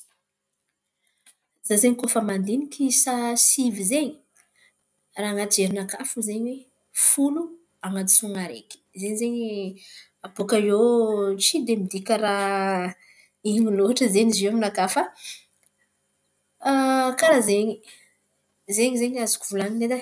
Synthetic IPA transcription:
zazeɲikofəmand̪inikisasivizeɲi̥ | raːŋat̪ieɾinakafuzeɲwe | fulu | aŋat̪isuŋaɾḛki̥zeɲizeɲi | abokajot͡sid̪emid̪ikʲaɾa | iɲiloaʈ͡ʂəzeɲizemunakafə | kaɾazeɲi | zeɲizeɲazukuvulaŋined̪a

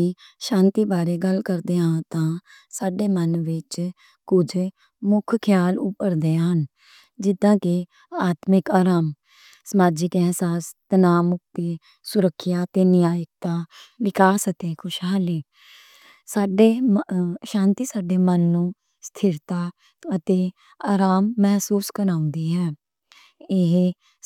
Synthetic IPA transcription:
iʃãːnt̪iːbaːɾeːɡəlkəɾd̪eːãːt̪ãː | saːɖeːmənʋɪt͡ʃ | kʊd͡ʒ | mʊkʰkʰjaːlʊpːəɾd̪eːɦən | d͡ʒɪd̪ãːke | aːt̪mɪkaːɾaːm | səmaːd͡ʒɪkɛɦsaːst̪ənaːmʊk̚t̪eː | sʊɾəkʰːjaːt̪eːnɪjaːjək̚t̪aːʋɪkaːsət̪eːkʰʊʃɦaːliː | saːɖeː | ʃãːnt̪iːsaːɖeːmənːũː | st̪ʰɪɾt̪aː | ət̪eː | aːɾaːmːɛɦsuːskəɾaːʊ̃nd̪iːɦɛː | ɪɦ

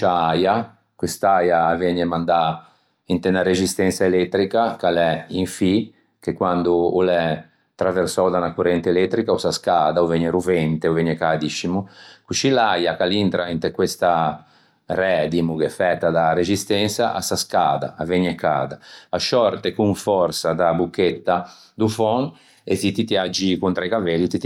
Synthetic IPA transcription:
t͡ʃaaja | kwest̪ajaːvɛɲemand̪a | int̪enaɾezist̪ɛnsaelɛt̪ːɾikakalɛiɱfi | kekwand̪uolɛ | t̪ɾaversɔwd̪anakurɛnt̪elɛt̪ːɾikaosaskaːd̪aovɛɲeɾuvɛnt̪eoveɲekad̪iʃimukut͡ʃilajakalint̪ɾaint̪ekwest̪a | rɛd̪imukɛfɛt̪ːad̪aɾezist̪ɛnsaʔa̰saskaːd̪a̰aveɲːɛka̰ːd̪aaʃɔɾt̪ekuɱfɔɾsad̪abukːet̪ːa | d̪ufɔn | et̪it̪it̪jad͡ʒːikunt̪ɾajkavɛlːit̪it̪

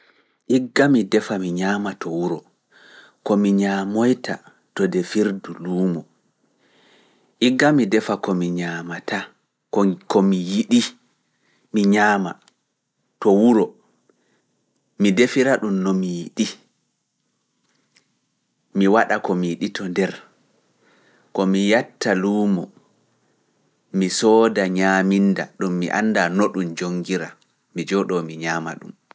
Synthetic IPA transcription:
ʔiɡːamidɛfamiɲaːmatʰɔwuɾɔ | kɔmiɲamojta̰ | tɔdɛfiɾduluːmɔ | ʔiɡːamidɛfakɔmiɲamata | kkɔmijiɗi | miɲaːma̰ | tɔwuɾɔ | midefiɾaɗumnɔmijiɗi | miwaɗakɔmijiɗitʰɔndɛɾ | kɔmijatːaluːmɔ | misɔːdaɲaːmindaɗumːiʔa̰nːdanoɗumd͡ʒoŋːɡiɾa | mid͡ʒɔɗɔmiɲaːma̰ɗṵm

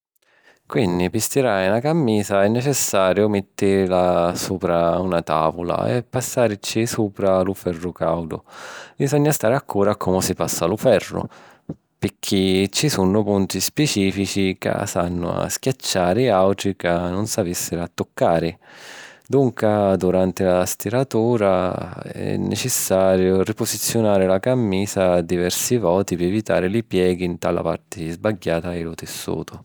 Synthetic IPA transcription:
kwind̪ipist̪iɾajnakamːiːzaɛnːɛt͡ʃɛsːaːɾjʊmɪt̪ːɪɾlasuːpɾaunat̪a̰ːvʊla̰ɛ̰pːasːaːɾt͡ʃisuːpɾalʊfɛrːʊkawd̪ʊ̰bizɔɲːast̪aːɾakʰːuːɾakʰɔmʊsɪpasːalʊfɛrːʊ̰ | pɪk̟ʰːit͡ʃːisunːʊpunt̪ispɛt͡ʃiːfit͡ʃika̰sa̰nːʊ̰a̰skʲjat͡ʃːaːɾɪawʈ̪ɾikanʊnsavisːɪɾat̪ːʊkːaːɾɪ | d̪uŋkad̪uɾant̪ɪlast̪iɾat̪uːɾa | ɛ̰nːɛ̰t͡ʃɪsːaːɾjʊripʊzit̪sːjʊnaːɾɪlakamːiːzad̪ivɛrsivɔːt̪ipɪɛvit̪a̰ːɾɪlipjɛːɡiːnt̪ala̰pa̰rt̪ɪzbaɡːaːt̪aɪlʊt̪ɪsːṵːt̪ʰʊ

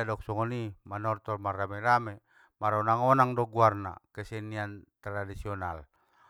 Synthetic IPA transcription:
adɔk̚sɔŋɔnimanɔrt̪ɔrmaramɛɾamɛ | maɾɔnaŋɔnaŋdɔɡuarna̰kɛsɛniant̪ɾadisiɔnal

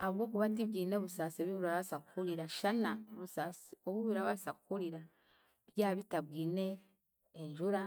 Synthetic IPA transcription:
aβwo̞ːkuβatiβɡiːneβusaːseβiβuɾaβasakukuɾiɾaʃanaoβusasoβuβuɾaβasakukuɾiɾa | βjaːβitaβɡiːne̞ː | ɲʒuɾa

